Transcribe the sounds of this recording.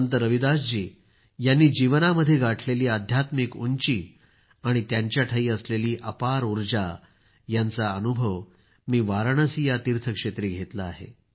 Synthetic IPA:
nt̪̬əɾəʋid̪asd͡ʑiː | janːiːd͡ʑiʋnaməd̪ʱːjeɡʱaʈʰleliːad̪ʱjat̪mikuɲt͡ɕiː | aɽ̃it̪jaɲt͡ɕjaʈʰaiːəsleliːʔəpaɾuɾd͡ʑa | jant͡saənubʱəʋ | miːʋaɾɳəsijat̪iɾt̪ʰəkʂet̪ɾiːɡʱet̪laːɦḛ

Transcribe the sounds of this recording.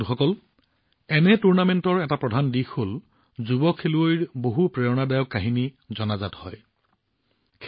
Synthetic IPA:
xɔkɔl | ɛnɛtuɹnamɛntɔɹɛtapɹɔdʱandixol | zubɔkʰːeluojɹboɦupɹeɔnadajɔkːaɦini | zɔnazathɔ̰j | kʰ

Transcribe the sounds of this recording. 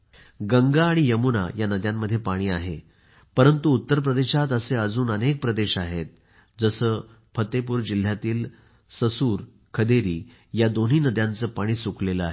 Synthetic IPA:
ɡəŋɡaːɽ̃ijəmuna̰janəd̪jamːəd̪ʱːjepaɽ̃iːaɦe | pəɾənt̪uːt̪ːəɾp̬ɾəd̪eɕat̪əseəd͡zuːnənek̚pɾəd̪eɕaɦet̪̚ | d͡zəsəː | pʰət̪ːep̬uːɾd͡ʑil̤jat̪iːl | səsuːɾ | kʰəd̪eɾiː | jad̪on̤iːnəd̪jant͡səːpaɽ̃iːsukleləaɦe

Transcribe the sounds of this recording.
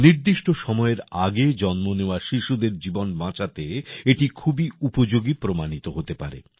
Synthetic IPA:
niɾd̪iʃʈoʃɔmɔeɾaɡed͡ʑɔnmoneoaʃiʃud̪eɾd͡ʑibonmãt͡ɕat̪eeʈikʰubiupod͡ʑoɡipɾomanit̪oɦot̪epa̰ɾḛ

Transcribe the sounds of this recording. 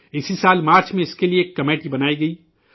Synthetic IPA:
ɪsisaːlmaːɾt͡ʃmẽɪskelieːkːɐmeːʈibɐnaːiɡɐi

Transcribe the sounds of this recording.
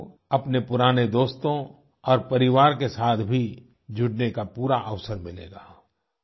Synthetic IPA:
ɐpnepʊɾaːned̪oːst̪õ | ɔːɾpɐɾɪʋaːɾkesaːt̪ʰbʱi | d͡ʒʱʊɽnekapuːɾaʔɐʋsəɾmɪlḛːɡa̰ː

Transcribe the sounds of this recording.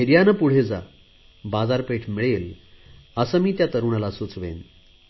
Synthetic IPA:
eɾijanəpuɽ̤ed͡za̰ | bad͡zaɾpeʈʰmiɭel | əsəmiːt̪jat̪əɾuɳalasut͡sʋḛn

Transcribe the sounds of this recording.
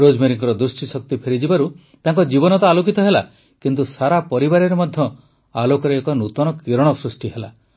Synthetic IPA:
ɾod͡ʒmeɾiŋkɔɾɔd̪ɾusʈisɔk̚t̪ipʰeɾid͡ʒibaɾu | t̪aŋkɔd͡ʒibɔnɔt̪aalokit̪ɔɦela | kint̪usaɾapɔɾibaɾeɾemɔd̪ʱjɔ | alokɔɾeːkɔnut̪ɔnɔkiɾɔɽ̃ɔsɾusʈiɦela

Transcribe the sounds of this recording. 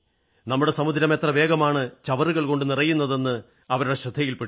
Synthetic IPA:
nɐmːuɽe̞sɐmud̪ʱɾɐme̞t̪rɐʋe̞ːɡɐmaːɳɨt͡ɕɐʋɐrɨɣɐɭko̞ɳɖɨnirɐjːunːɐðe̞nːɨ | ɐʋɐɾuɽe̞ɕrɐd̪ʱːɐjilpeɽ

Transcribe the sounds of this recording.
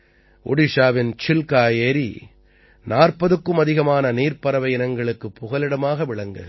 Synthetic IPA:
ʔʊ̰ɽɪʂaːʋɪnt͡ʃɪlkaːjeːɾi | naːrpɐðɯkːɯmɐðɪɣɐmaːnɐniːrpɐɾɐʋɐɪɪnɐŋɡɐɭɯkːɯpːʊɣɐlɪɽɐmaːɣɐʋɪɭɐŋɡɯɣ

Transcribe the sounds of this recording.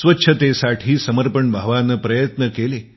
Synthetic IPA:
sʋətːɕʰət̪esaʈʰiːsəməɾpəɳbʱəʋanəpɾəjət̪nəkele

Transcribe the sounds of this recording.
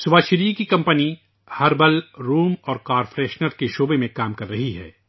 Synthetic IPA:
sʊbaːʃɪɾiːkikɐ̃mpəni | hɐɾbɐlɾuːmɔːɾkaːɾfɾɛːʃnəɾkeʃoːbemẽkaːmkɐɾːɐɦiɦɛ̰ː

